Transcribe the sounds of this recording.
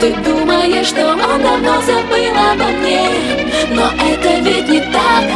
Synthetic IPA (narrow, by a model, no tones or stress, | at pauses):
t̪ɨd̪uməjəʂt̪omɔnɐnozɐbɨlˠənɐmnʲe | noʔɛt̪əvʲid̚ʲnʲɪt̪ak